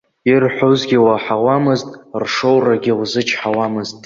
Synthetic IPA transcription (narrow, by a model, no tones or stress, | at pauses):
irħʷozɡʲiwaħawamɨztʼrʂowraɡʲɪwzɨt͡ʃʰʼħawamɨztʼ